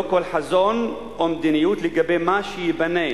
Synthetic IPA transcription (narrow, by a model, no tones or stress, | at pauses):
kolħazon | ʔomd̪inijut̪leɡabejmaʃejibane